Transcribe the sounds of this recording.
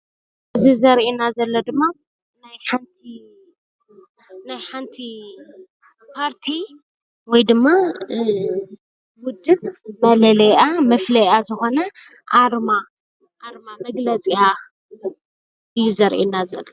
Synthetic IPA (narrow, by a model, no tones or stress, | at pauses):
ɨzizɐɾʔinazɐlːɐd̪ɨmːa | najħant̪ʰi | najħant̪ʰi | pʰaɾt̪ʰi | wɔjd̪ɨmːa | wʊd̪ɨbmɐlɐlɐjamɐflɐjazɨxo̞nɐʔaɾma | ʔaɾmamɐɡlɐt͡sʼija | ɨjːuzɐɾʔḭnazɐlːo